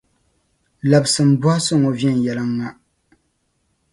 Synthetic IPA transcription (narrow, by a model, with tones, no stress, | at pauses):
la˨bsɨ˨m̩˨˦bɔ˦hso˦ŋo˨vjɛ˦˨n˨jɛ˨lɨ˦ŋːa˦